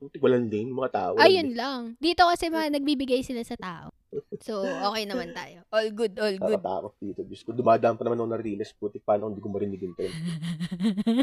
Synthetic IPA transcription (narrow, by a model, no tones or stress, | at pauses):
t̪ɪwɐlanlenmɐŋat̪aːʔoɐjʊnlɐŋd̪iːt̪o̞kɐsɛmɐŋanɐɡ̚biːbɪɡajsɪlasɐt̪aːʔo̰ | soʔoːkɛjnɐmant̪aːjoʔolɡʊd̪ʔolɡʊd̪t̪a̰ːkot̪̚d̪iːt̪oɡʊskod̪ʊmaːd̪ɐʔɐmpɐnɐmannɐɾiːlɛsput̪ɪk̚paːnokɪnd̪iːkomɐɾɪnɪɡɪnt̪n